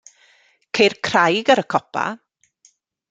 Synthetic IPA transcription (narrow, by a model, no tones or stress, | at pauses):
kʰejrkʰr̥ajɡaɾəkʰɔpʰa̰